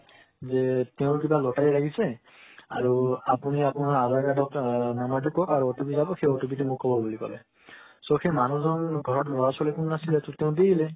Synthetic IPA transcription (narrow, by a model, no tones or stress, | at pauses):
zɛteʊ̃kibalɔtaɛɹakʰisɛ | a̰ɹuapuniapunaɹazaɹkadɔknanat̬ukɔkaɹuɔtobizabɔxejɔtubitumukːɔbɔbulikɔ̰lɛ | soxejmanuzɔnɡʱɔɹɔtblɔɹasɔlekunnasilɛtʊteʊ̃deilɛ